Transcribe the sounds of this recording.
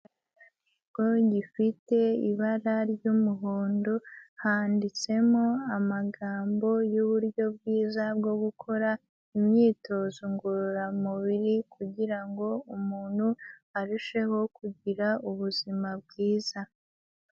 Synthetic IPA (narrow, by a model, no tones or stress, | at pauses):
iɡo̞ɟifite̞iβaɾaɾɟumuɦuːndohaːndit͡se̞moamaɡaːmbo̞juβuɾɟo̞bɡiːzab̚ɡo̞ɡukʰo̞ɾa | imɲiːtʰo̞ːzuŋɡuɾuɾamuβiɾikuɟiɾaŋɡo̞umuːnhuaɾuʃe̞ho̞kuɟiɾauβuzimabɡiːz̥a